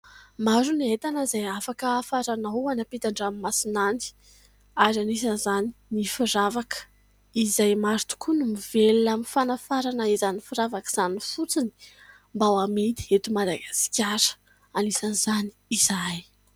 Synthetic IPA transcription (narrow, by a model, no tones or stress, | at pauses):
maɾuniet̪anəzajafakəːfaɾanawanapet̪aɳɖ͡ʐamimasinani̥ | aɾanis̬anzaninifiɾavakə̥ | izajmaɾt̪u̥kunumivelaminfanafaɾanəizanifiɾavakəz̥anifut͡sini̥ | mbawamid̪iet̪umad̪aɡasi̥kʲaɾə̥ | anisanzani̥ːz̥aj